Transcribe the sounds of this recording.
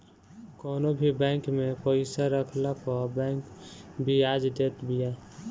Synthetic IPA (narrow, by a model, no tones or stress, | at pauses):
kɔːnobʱibɛ̃ŋkmẽpəɪsaɾəkʰlapɔbɛ̃ːŋkbʱiaːd͡ʒd̪eːt̪bija